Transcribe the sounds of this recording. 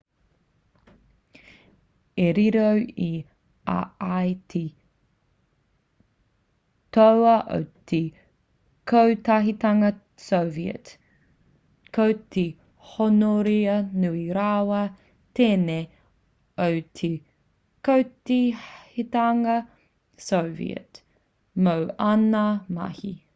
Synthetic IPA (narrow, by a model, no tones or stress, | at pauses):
eɾiɾowi | a̰ajtʰe | towɐʔo̰wtʰe | kʰowtɐɦitɐŋɐ | sowviə̰t | kʰowtʰe | honoɾiɐnuiɾawɐ | teːne | owtʰe | kowtihitaŋɐ | sowvḭə̰t | mowɐnɐmɐ̰hi